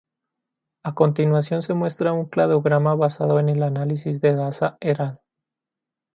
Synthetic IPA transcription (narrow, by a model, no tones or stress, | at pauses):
ako̞nt̪inwasjo̞nse̞mwe̞st̪ɾauŋklaðo̞ɣɾamaβasaðo̞ene̞lanalisizðe̞ɣasaeɾal